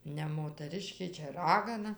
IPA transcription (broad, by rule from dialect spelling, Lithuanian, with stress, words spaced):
nʲɛ moːtɐˈrʲɪʃʲkʲeː ˈt͡ʃʲɛ ˈrɑːɡɐnɐ